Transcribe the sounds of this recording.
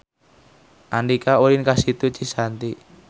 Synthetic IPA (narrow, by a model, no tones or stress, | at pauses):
ʔanɖikauɾinkasit̪ut͡ʃisant̪i